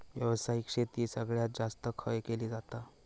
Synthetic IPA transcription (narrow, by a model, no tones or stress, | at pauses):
ʋjəʋəsaɦikʂet̪iːsəɡɭjat̪̚d͡zast̪əkʰəjkeliːd͡zat̪a